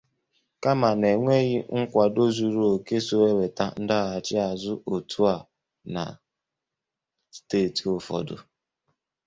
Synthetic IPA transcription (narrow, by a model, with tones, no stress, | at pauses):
ka˦ma˨ne˨ŋʷe˦ɣi˦ŋ̩˦kʷa˨do˦zu˨ɾu˦o˨ke˦so˦e˦we˨ta˦n̩˦da˦a˨t͡ʃɪ˦a˨zʊ˦ʔo˨tʰu˦a˦˨ | na̰˨ | steː˦˨ti˨o˨fɔ̰˨dʊ̰˨